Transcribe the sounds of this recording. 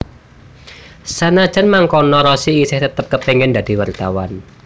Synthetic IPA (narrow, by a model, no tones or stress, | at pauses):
sanḁʒ̥ə̤nmaŋkɔnɔɾɔsiːsɪht̪ət̪əp̚kəpɛŋɛnd̪ad̥i̤wart̪awa̰n